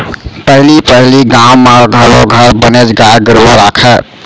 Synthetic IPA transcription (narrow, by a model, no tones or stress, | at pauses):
pəɦlipəɦliɡãwmaɡʱəɾoɡʱəɾbəned͡ʒɡaɾɡəɾuɾakʰə